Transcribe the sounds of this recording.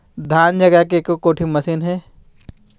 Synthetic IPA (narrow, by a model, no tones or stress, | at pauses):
d̪ʱaːnd͡ʒɐɡəkekokoːʈʰimɐsiːnɦɛː